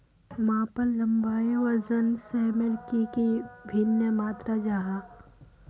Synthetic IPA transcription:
mãːpəlːɐmbaːjeɔɾzənsɛɦmelkikibʱɪnjəmaːt̪ɾad͡ʒaːɦaː

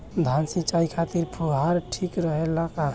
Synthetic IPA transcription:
d̪ʱansit͡ʃaikʰat̪iɾpʰuɦaɾʈʰikɾəɦelaka

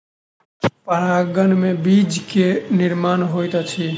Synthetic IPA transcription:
pəɾaːɡənmẽbid͡ʒkenɪɾmaːnɦoːjt̪at͡ʃʰi

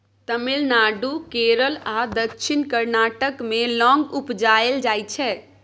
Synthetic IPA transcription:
t̪əmilnaɖukeɾəlad̪əkʃʰinkəɾnaʈəkmelɔ̃ŋɡupd͡ʒaeld͡ʒajt͡ʃʰɛ

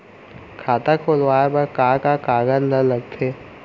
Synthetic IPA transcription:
kʰaːt̪akʰolwaːebɐɾkaːkakaːɡənlələɡ̚t̪ʰeː

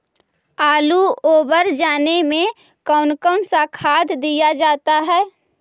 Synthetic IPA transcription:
aːluoːbəɾd͡ʒaːnemẽ | kɔːʊnkənsakʰaːd̪ʱd̪ijad͡ʒaːt̪aɦɛː

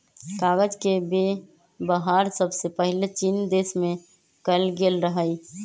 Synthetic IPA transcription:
kaɡəd͡ʒkebe | bəɦaɾsəbsepəɦilet͡ʃind̪esmẽ | kəlɡelɾəɦəj

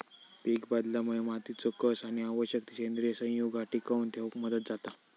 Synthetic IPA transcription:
pikbad̪laməemat̪it͡sokəsaɽ̃iaʋəɕjək̚t̪isend̪ɾisə̃juɡaʈikaunt̪ʰeʋkməd̪ət̪̚d͡zat̪a

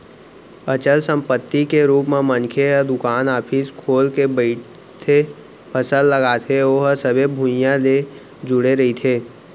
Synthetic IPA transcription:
ət͡ʃəlsə̃mpət̪ːikeɾuːpmẽmə̃nkʰeəd̪ʊkaːnaːpʰiskʰoːlkebəɪ | t̪ʰe | pʰəsəlːəɡaːt̪ʰeoːɦəsəbʱebʱʊ̃jãle | d͡ʒʊɽeɾɐɦit̪ʰeː

